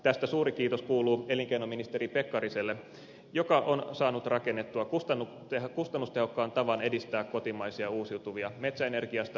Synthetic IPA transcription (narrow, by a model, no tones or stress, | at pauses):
t̪æst̪æsuːɾik̟iːt̪oskuːluːe̞liŋkeinominist̪e̞ɾipe̞kːɑɾiselːe | jokɑʔonsɑːnut̪rɑke̞nːet̪ːuɑkust̪ɑnːu | ehkust̪ɑnːust̪e̞ɦo̞kːɑːnt̪ɑʋɑne̞dist̪æːkko̞t̪imɑisiɑuːsiut̪uʋiɑme̞t̪sæene̞rɡ̥iɑst̪ɑ